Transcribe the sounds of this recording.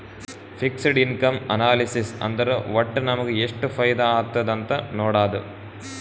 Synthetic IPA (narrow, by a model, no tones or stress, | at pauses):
fɪksɽɪnkɐmɐnaːlɪsɪsɐ̰nd̪ɐɾɯʋɐʈːɯnɐmɐkːɯɛʂʈːɯfɐjd̪aaːt̪ːɐðɐnt̪ɐnoːɽaːðɯ̰